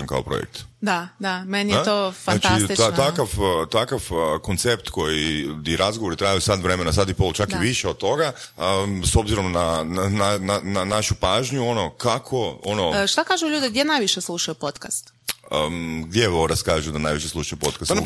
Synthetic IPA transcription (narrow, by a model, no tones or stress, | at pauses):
nka̰opɾo̰jḛk̚t̪d̪ad̪amenijet̪ofanat͡ʃ̪it̪it̪at̪akaft̪akafko̞nt̪sept̪ko̞jiiɾazɡoʋo̞ɾit̪ɾajusad̪ʋɾe̞me̞nasad̪ipo̞lˠt͡ʃakiʋiʃeo̞d̪̚t̪o̞ɡaəso̞bziɾo̞mnanananananaʃupaːʒɲuo̞no̞kakʰo̞onoʃt̪akaːʒuʎuːd̪eɡ̚d̪jenajʋiʃeslˠuʃajupot̪kast̪ | əɡ̚d̪jeoɾaskaːʒud̪anajʋiʃeslˠuʃajupo̞t̪kas